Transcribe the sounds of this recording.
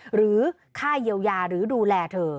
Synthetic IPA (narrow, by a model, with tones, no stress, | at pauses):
ɾɯː˩˦ | kʰaː˥˩jiː˧əwjaː˧ɾɯː˩˦duː˧lɛː˧t̪ʰɤː˧